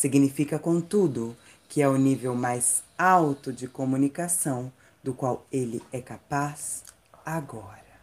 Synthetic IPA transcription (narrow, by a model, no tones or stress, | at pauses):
siɡnifikɐkõt̪ud̪ʊ | kʰɪɛʊnivewmajzawt̪ʊd͡ʒɪkomũnikasɐ̃w̃ | d̪ʊkwawelɪɛkapaz | aɡɔɾɐ